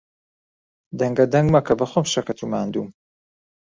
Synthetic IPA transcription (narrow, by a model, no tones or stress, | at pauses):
d̪ɐŋɡɐd̪ɐŋɡmɐkʰɐbɐχʷomʃɐkɐt̪ʰumaːnd̪uːm